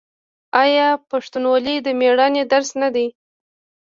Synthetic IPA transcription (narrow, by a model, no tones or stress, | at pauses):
ɑjɑpaʂt̪unwɑlid̪əmeɽɑned̪aɾsnad̪aj